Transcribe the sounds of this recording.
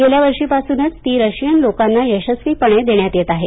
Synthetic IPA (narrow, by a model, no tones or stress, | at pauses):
ɡeljaʋəɾʂiːpasuːnət͡st̪iːɾəɕijənlokanːajəɕəsʋiːpəɳed̪eɳjat̪jet̪aɦe